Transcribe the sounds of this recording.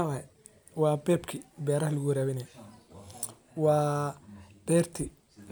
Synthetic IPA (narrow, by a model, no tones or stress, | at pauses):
waɛ | wɑːbɛːbkʰibɛːɾɐɦlɐɣʊɾaːβɪnɛj | wɑː | b̥ɛːrt̪ʰɪ